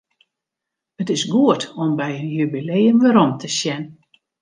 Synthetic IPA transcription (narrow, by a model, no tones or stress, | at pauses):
ətɪsɡuətɔmbɛjənjybileːənʋəɾɔmtʰəsjɛn